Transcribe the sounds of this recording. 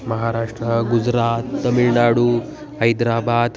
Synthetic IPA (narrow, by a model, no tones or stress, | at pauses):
mɐɦaːɾaːʂʈɾɐɡud͡ʒɾaːt̪ːɐmiɭnaːɽu | ɦɐjd̪ɾaːbaːd̪